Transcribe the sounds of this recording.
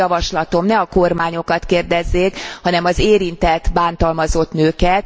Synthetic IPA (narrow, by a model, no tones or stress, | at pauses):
ɒvɒʃlɒt̪o̞mnɛɒkormaːɲo̞kɒt̪keːrd̪ɛzːeːkhɒnɛmɒzeːɾint̪ɛt̪baːnt̪ɒlmɒzo̞t̪nøːkɛt̪